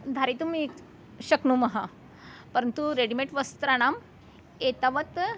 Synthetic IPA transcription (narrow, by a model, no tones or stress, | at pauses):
d̪ʱaɾit̪umik | ɕəknuməɦa | pəɾənt̪uɾeɽimeʈʋəst̪ɾaɽ̃am | et̪aʋət̪